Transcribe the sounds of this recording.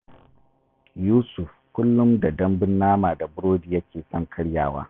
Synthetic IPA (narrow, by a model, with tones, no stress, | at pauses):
juː˦sʊ˨f | kʷʊ˦lːʊ˦mda˨dɐ˦mbɪ˦nːaː˦maː˨da˨bʊ˦ɽoː˦diː˨jɐ˦kʲeː˨sɔ˦ŋkʰɐ˦ɽjaː˨wa̰ː˦